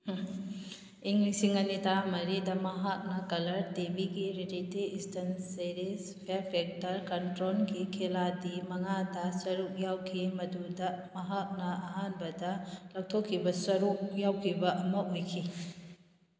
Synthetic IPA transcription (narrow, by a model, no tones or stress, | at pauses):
iŋlisiŋɐnitamɐɾidɐmɐɦak̚nɐkɐlɐɾtebiɡiɾiditeistɐnseɾispʰeɾpʰek̚tɐɾkɐntɾolɡikʰeladimɐŋadɐsɐɾuk̚jawkʰimɐdudɐmɐɦak̚nɐɐɦanbɐdɐlaw̚tʰokʰːibɐsɐɾuk̚jawkʰibɐʔɐmɐʔojkʰi